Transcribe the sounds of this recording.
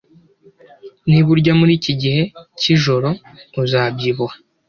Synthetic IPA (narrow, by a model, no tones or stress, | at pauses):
niβuɾɟamuɾiːciɟihe̞ciʒo̞ɾo̞ | uzaːbɟiβuha